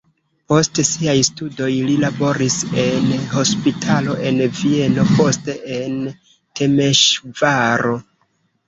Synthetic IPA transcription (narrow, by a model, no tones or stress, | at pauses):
po̞stsiajstudo̞jlilabo̞ɾise̞nho̞spitʰalo̞ʔe̞nvie̞no̞po̞ste̞ʔen | te̞me̞ʃvaɾo̞